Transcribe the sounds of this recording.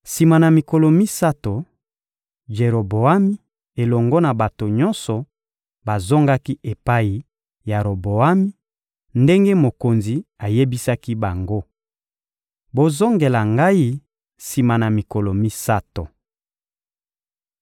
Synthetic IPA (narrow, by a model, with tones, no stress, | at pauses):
si˨ma˨na˨mi˨kɔ˨lɔ˨mi˦sa˦to˨ | ʒe˨ɾo˨bo˨a˦mi˦ | e˨lɔ˨ŋɡɔ˦na˨ba˨to˨ɲɔ˦nsɔ˨ | ba˨zo˦ŋɡa˦ki˦e˨pa˦i˨ | ja˨ɾo˨bo˨a˦mi˦ | nde˦ŋɡe˦mo˨ko˨nzi˨a˨je˦bi˦sa˦ki˦ba˨ŋɡo˦ | bo˦zo˦ŋɡe˨la˨ŋɡa˦i˦ | si˨ma˨na˨mi˨kɔ˨lɔ˨mi˦sa˦to˨